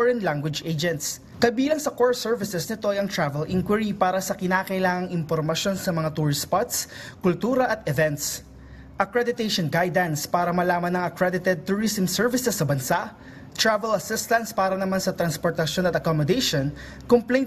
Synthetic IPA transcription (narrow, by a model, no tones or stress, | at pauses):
ɹɛnlaŋɡwɪd͡ʒʔed͡ʒɛnt̪s | kɐbiːlɐŋsɐkoɹsɛɹvɪsɛsnɪt̪o̞ʔɐjɐŋt̪ɹavɛlʔɪŋkwɛɹipaːɾɐsɐkɪnaːkɐʔɪlaːŋɐŋɪmpoɾmɐsjo̞nsɐmɐŋat̪ʊɹɪspat̪skʊlt̪uːɾɐʔɐt̪ɛvɛnt̪s | ʔɐkɹɛd̪ɪt̪eʃonɡajd̪ɐnspaːɾɐmɐlaːmɐnɐŋɐkɹɛd̪ɪt̪ɛd̪̚t̪ʊɹisɛmsɛɹvɪsɛsːɐbɐnsaʔ | t̪ɹavɛlɐsɪst̪ɐ̃nt̪spaːɾɐnɐmansɐt̪ɾɐnspoɹt̪ɐʃjo̞nɐt̪ɐkomod̪ejʃon | komplẽjn